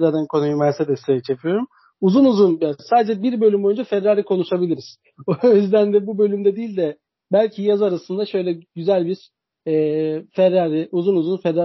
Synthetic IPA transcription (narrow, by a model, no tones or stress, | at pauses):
lad̪ankʰonujymasɛd̪ɛsʰejɛt͡ʃʰepʰijo̞ɾum | uzunuzunjasaːd̪ed͡ʒɛbiɾbø̞lʲymbo̞jund͡ʒafɛɾːaːɾikʰo̞nuʃabilʲiɾiz̥ | ojyzd̪ænd̪ɛbubølʲymd̪ɛd̪iːlʲd̪ɛ | bælʲcʰijazaɾasɯnd̪aʃø̞jlʲɛɟyzælʲbiɾ̥ | ɛːfɛɾːaːɾiʔuzunuzunfɛɾːa